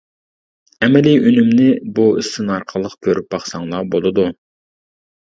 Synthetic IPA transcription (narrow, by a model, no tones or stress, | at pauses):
ɛmɛliynymnɪbuisɪnɑɾqʰəlˠːəqkʲʰøɾʔyp̚bɑχsɑŋlˠɑbolˠɨd̪u